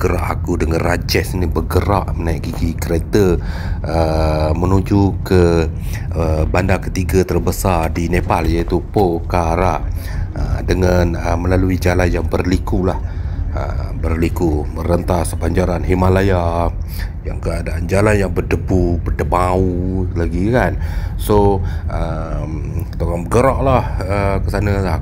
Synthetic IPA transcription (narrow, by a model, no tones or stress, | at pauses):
ɡəɾa̰ʔa̰kudəŋanrad͡ʒɛsinibəɡəɾaʔmənaiʔɡiɡikəɾet̪ə | əmənud͡ʒukə | əbandakət̪iɡat̪ərbəsardinepaljait̪upokaɾa | ə̰dəŋanəməlaluid͡ʒalanjaŋbərlikulahə̰bərlikumərənt̪asəbaɲd͡ʒaɾanɦimalaja | jaŋkəadaʔand͡ʒalanjaŋbədəbubərdəmaulaɡikansoʔə | m | t̪oɣaŋbəɡəɾɔʔlahəkəsanə